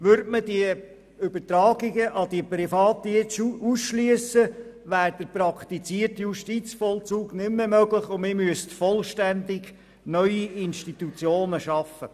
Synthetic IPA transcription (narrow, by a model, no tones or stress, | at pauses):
ʋʏɾdməd̥iə | ʏbətɾɑːɡɪɡəʔɑd̥̪iəpɾifɑːt̪ːiɪsuusʃlyəsə | ʋæːɾd̥əɾpɾɑkt̪it͡siərtjuʃtit͡sfɔlt͡suːɡnʏmːəmøɡlɪχʊmɪmyəstfɔlʃtænd̪ɪɡ | nœʏiɪnʃtit̪ut͡sjoːnəʃɑfə